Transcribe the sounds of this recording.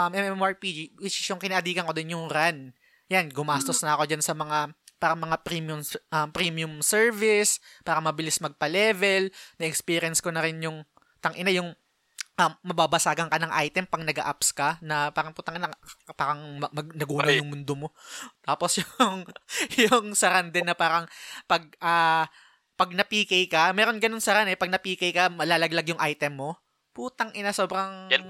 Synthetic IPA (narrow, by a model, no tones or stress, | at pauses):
ʔɐmʔɛmʔɛɛmaɹpid͡ʒiɪsɪʃjʊŋkɪnaʔɐd̪iːkɐnko̞d̪ɪnjʊŋɾand̪ | janɡʊmaːst̪osnɐɐko̞d͡ʒansɐmɐŋapaːɾɐŋmɐŋapɾimjʊmʔɐmpɾimijʊmsɛɹvɪspaːɾɐŋmɐbɪlɪsmɐɡ̚pɐlɛvɛlnɐʔɛkspiːɾɪjɛnskonɐɾɪnjʊŋ | t̪ɐŋʔɪnajʊŋ | ʔɐmːɐbabɐsaːɡɐnkɐnɐŋʔajt̪ɛmpɐŋnɐɡɐ̰ʔapskɐnɐpaːɾɐŋput̪ɐŋʔɪnɐpaːɾɐŋmɐmɐɡnɐɡuːnɐwjʊŋmʊnd̪omo̞t̪aːpo̞sjʊŋjʊŋsɐɾand̪ɪnːɐpaːɾɐŋpɐɡ̚ʔaː | pɐɡ̚nɐpiːkɐjkɐmɛːɾo̞nɡɐnonsɐɾanɛpɐɡ̚nɐpiːkɐjkɐmɐlaːlɐɡlɐɡjʊŋʔajt̪ɛmːo̞ | put̪ɐŋʔɪnaso̞ːbɾɐŋ